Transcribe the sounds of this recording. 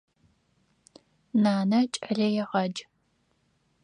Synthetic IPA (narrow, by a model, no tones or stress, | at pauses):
naːnɐt͡ʃʼɐɮɐjɛʁɐd͡ʒ